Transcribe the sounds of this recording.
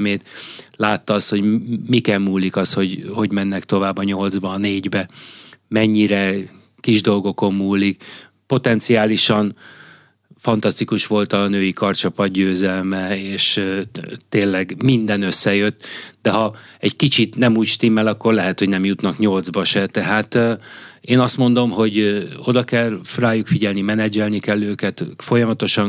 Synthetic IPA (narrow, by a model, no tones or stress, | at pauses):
meːt̪laːt̪ːɒɒst̪ho̞ɟmikɛmːuːlikɒsho̞ɟho̞ɟmɛnːɛkt̪o̞vaːbɒɲo̞ld̪zbɒːneːɟbɛmɛɲːiɾɛ | kiʒd̪o̞lɡo̞ko̞mːuːlːik | po̞t̪ɛnt̪siaːliʃɒn | fɒnt̪ɒst̪ikuʃʋo̞lt̪ɒnøːjikɒrt͡ʃɒpɒd̪ɟøːzɛlmɛeːʃ | t̪eːnːɛɡmind̪ɛnøsːɛjø̞t̪ːd̪ɛɦɒɛɟkit͡ʃit̪nɛmuːcʃt̪imːɛlɒkːo̞rlɛɦɛt̪ho̞ɟnɛmjut̪nɒkɲo̞ld̪zbɒʃɛt̪ɛɦaːt̪ː | eːnɒst̪mo̞nd̪o̞mɦo̞ɟo̞d̪ɒkɛlraːjukfiɟɛlnimɛnɛd͡ʒɛlnikɛlːøːkɛt̪fo̞jɒmɒt̪o̞ʃɒn